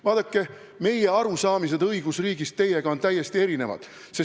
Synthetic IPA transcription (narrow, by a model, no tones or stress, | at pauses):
vɑːd̪̥ɑkːˑe̞ | me̞je̞ɑɾusɑːmise̞d̪ɤjɡ̥usriːɡ̥ist̪ːe̞je̞ɡɑo̞nt̪æjːe̞st̪ie̞ɾine̞vɑ̰d̪̥ | se̞